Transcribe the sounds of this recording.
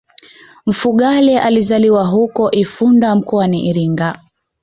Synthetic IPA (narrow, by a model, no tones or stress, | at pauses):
m̩fuɠalɛʔalizaliwaɦukɔʔifundam̩kɔaniʔiɾiŋɡa